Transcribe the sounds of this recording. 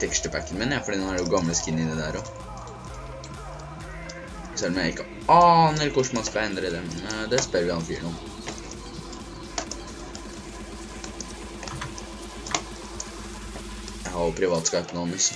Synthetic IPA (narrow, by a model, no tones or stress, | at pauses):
t̪ʰɛksʈəpʰækːənmɪnjæfɔɖiːnoæɖɛʊɡɑmləskɪnːɪnːəd̪æːɾɔ | sɛlːɔmjæɪɪkːə | ɑːnəɾkʊʂmɑnskɑɛnd̪ɾəd̪ɛmnd̪ɛspœɾʋɪhɑnfiːɳɔ | jæɪhɑɾʊpʰɾɪʋɑːt̪skɑt̪nɑmɪs